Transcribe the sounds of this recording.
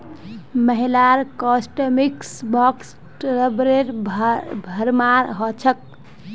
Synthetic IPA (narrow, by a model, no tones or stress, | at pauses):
məɦilaɾkɔsʈəmiksbɔks | ʈɾəbɾeɾ | bʱəɾmaɾɦɔt͡ʃʰək̚